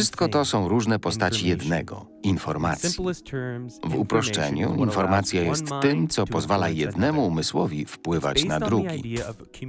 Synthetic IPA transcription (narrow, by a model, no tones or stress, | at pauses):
ɘst̪̚kɔt̪ɔsɔ̃w̃ɾuʐnɛpɔst̪at͡ɕijɛd̪nɛɡɔ̰ | infɔɾma̰t̪sʲji | vupɾɔʂt͡ʂɛ̰ɲṵinfɔɾmat̪sʲjajɛst̪ːɘmt̪sɔpɔzvalajɛd̪nɛmuːmɘswɔvʲifpwɘva̰t͡ɕnad̪ɾuɡʲḭ